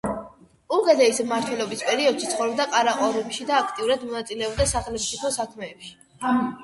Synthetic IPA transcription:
uɡɛd̪ɛismaɾt̪ʰwɛlɔbispʼɛɾiɔd̪̥ʃit̪sχɔvɾɔb̚d̪aqʼaɾaqʼɔɾumʃid̪aːkʰt̪ʼiuɾad̪mɔnat̪sʼilɛɔb̚d̪asaχɛlɛbipʰɔsakʰmɛːpʃi̥

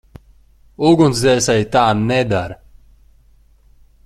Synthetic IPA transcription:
uɡunszɛːsajt̪aːnnːɛd̪aɾ

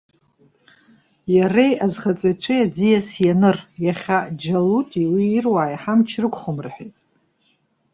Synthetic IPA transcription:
jarejazχat͡sʼajt͡ɕʷʰajad͡zijasjanɨrjaχʲad͡ʒalutʼiwiːrwaːjħamt͡ʃʰrɨkʷʰʼχəmrħʷᶣejtʼ

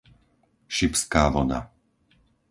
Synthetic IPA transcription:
ʃipskaːʋɔna̰

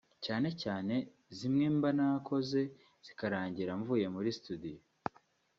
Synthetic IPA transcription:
caːne̞caːne̞ | zimŋeːmbanakʰo̞ze̞ | z̥ikaɾaːɲɟiɾaɱvuːje̞muɾistudijo

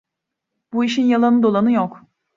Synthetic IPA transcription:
b̥uiʃinjalˠanɯd̪o̞lˠanɯjok

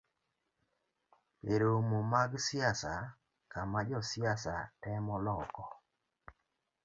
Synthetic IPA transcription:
peɾomomaɡsɪasa | kamad͡ʒɔsɪasatɛmɔlɔkɔ

